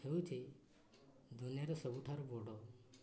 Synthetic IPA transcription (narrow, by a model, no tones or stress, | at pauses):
ewt̪ʰi | d̪unijaɾɔsɔbuʈʰaɾubɔɽɔ